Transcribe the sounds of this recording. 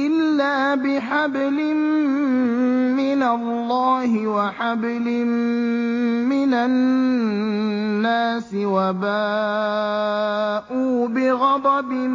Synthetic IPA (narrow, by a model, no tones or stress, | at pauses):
ʔɪlːaːbɪħablɪm | ɪnalːɑːɦɪwaħab | lɪm | mɪna | aːsɪwabaː | ʔuːbɪɣɑd̪ˤɑbɪm